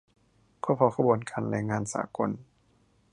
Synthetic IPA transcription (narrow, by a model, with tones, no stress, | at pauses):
kʰɔː˦˥pʰɔ˧wkʰa˧˩bu˨˩˦nkaː˧nlɛː˧ŋːaː˧nsa̰ː˨˩˦ko˧n